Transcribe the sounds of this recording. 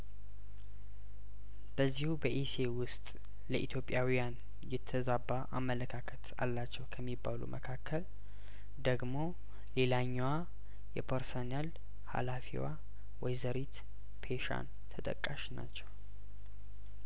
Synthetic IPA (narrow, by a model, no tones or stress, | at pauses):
b̥əzːihubəʔisewʊst̪ʼ | ləʔit̪ʰjo̞pʼːjawijan | jɛt̪ʰːəzabːaʔamːələkʰakʰət̪a̰lːat͡ʃːɛwkʰəmːibːalṵmʔəkʰakʰːəl | d̪əɡmo̞ | le̞laɲːwa | jɛpʰəɾsonal | ha̰lafḭwa | wɔjzəɾit̪ | pʰeʃa̰n | t̪ʰət̪ʼə̰kʼːaʃna̰t͡ʃːɛw